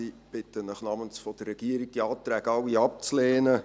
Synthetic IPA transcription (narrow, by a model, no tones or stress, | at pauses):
ib̥ɪtənəχnɑmənsfɔd̥ərːɛɡ̥iəɾiɡ̚d̥iɑːt̪ɾæːɡɑwiɑp̚t͡sleːnə